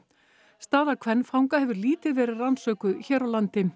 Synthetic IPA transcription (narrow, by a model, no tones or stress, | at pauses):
st̪aːðakʰvɛnːfawŋkahɛvʏɾliːt̪ɪðvɛːɾɪðransœːkʏçɛːɾawlant̪ɪ